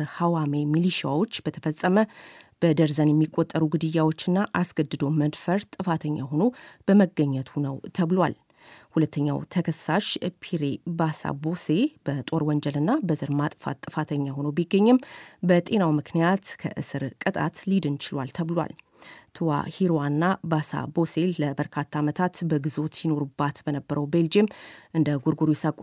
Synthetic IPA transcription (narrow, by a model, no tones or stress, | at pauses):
ɾhawamemiliʃijawo̞t͡ʃːb̥ət̪ʰəfəsʼəməb̥əd̪əɾzənjɛmːikʼːot̪ʼːəɾuɡɨd̪ɨjːawo̞t͡ʃːɨnːaʔasɡ̥əd̪ɨd̪o̞məd̪fəɾt̪ʼːɨfat̪ʰəɲːa̰ɦo̞no̞b̥əməɡəɲːət̪ʰunəwt̪ʰəβlwa̰l | hulət̪ʰːəɲːa̰wt̪ʰəkʰəsːaʃpʰiɾe̞basa̰bo̞se̞b̥ət̪ʼo̞ɾwɔnd͡ʒəlɨnːabəzɨɾmat̪ʼfa̰t̪ʼːɨfat̪ʰəɲːaho̞nobiɡːəɲːɨmbət̪ʼe̞nawmɨkʰnijat̪kʰə̰ʔɨ̰sɨɾkʼɨt̪ʼa̰t̪lid̪ɨnt͡ʃɪlwalt̪ʰəβlwa̰l | t̪ʰɨwa̰hiɾwanːabasa̰bo̞se̞lləbəɾkʰat̪ʰːaːmət̪ʰat̪bəɡɨzo̞t̪jino̞ɾubːat̪bənəbːəɾəwbe̞ld͡ʒemʔɨnd̪əɡuɾɡuɾujɛsakʷʼ